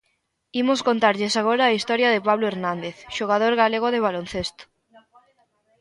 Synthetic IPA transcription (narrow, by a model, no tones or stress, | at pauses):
imoskont̪aɾʎesaɣ̞oɾaːist̪ɔɾjɐðepaβloeɾnãnd̪eθʃoɣ̞að̞oɾɣaleɣ̞oðeβalonθest̪o̥